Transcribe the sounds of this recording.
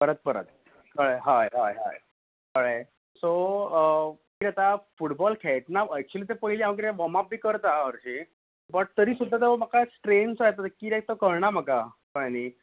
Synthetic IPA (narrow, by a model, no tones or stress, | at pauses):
pəɾət̪̚pəɾə̰t̪ | kəɭɦajɦajɦa̰j | kəɭe | so | kiːɾɛt̪afuʈbɔlkʰɛʈ̚naɛk̚t͡ɕuliːt̪epəɦileaməkɾeʋɔmap̚biːkəɾt̪aəɾɕi | bəʈ̚t̪əɾiːsud̪ʱːat̪emakasʈɾensajt̪at̪ekiːɾɛk̚t̪əkəɾɳam̤əkakəɭni